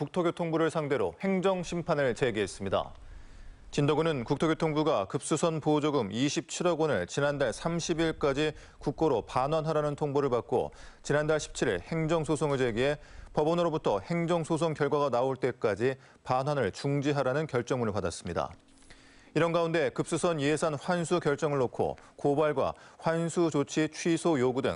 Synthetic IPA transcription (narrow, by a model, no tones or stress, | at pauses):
kuk̚tʰoɡjotʰoŋbuɾɯɭsʰaŋde̞ɾohe̞ŋd͡ʑʌŋɕʰimpʰanɯɭt͡ɕe̞ɡiɦe̞s͈ɯmɲida̰ | t͡ɕindoɡunɯnkuk̚tʰoɡjotʰoŋbuɡakɯp̚s͈usʰʌnpod͡ʑoɡɯmiɕʰip̚t͡ɕʰiɾʌɡwʌnɯɭt͡ɕinandaɭsʰamɕʰibiɭk͈ad͡ʑi | kuk̚k͈oɾopanwanɦaɾanɯntʰoŋboɾɯɭpak͈o̰t͡ɕinandaɭɕʰi̥p̚t͡ɕʰiɾḭɭhe̞ŋd͡ʑʌŋsʰosʰoŋɯɭd͡ʑe̞ɡiɦe̞pʌbʌnɯɾobutʰʌhe̞ŋd͡ʑʌŋsʰosʰoŋkjʌɭɡwaɣanaoɭt͈e̞k͈ad͡ʑi | panɦwanɯɭt͡ɕuŋd͡ʑiɦaɾanɯnkjʌɭt͡ɕ͈ʌŋmunɯɭpadas͈ɯmɲida̰ | iɾʌnɡaunde̞kɯp̚s͈usʰʌnje̞sʰanɸwansʰukjʌɭt͡ɕ͈ʌŋɯɭːokʰo̰kobaɭɡwa̰ɸwansʰud͡ʑot͡ɕʰit͡ɕʰwɥisʰojoɡudwḛŋ